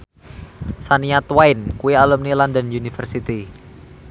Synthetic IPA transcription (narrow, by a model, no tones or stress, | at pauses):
saniat̪waɪnkuialumnilandənunifərsit̪i